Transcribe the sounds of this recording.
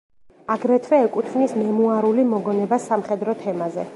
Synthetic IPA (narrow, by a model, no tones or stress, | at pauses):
aɡɾɛt̪ʰwɛːkʼut̪ʰvnismɛmuaɾulimɔɡɔnɛbasamχɛd̪ɾɔt̪ʰɛmazɛ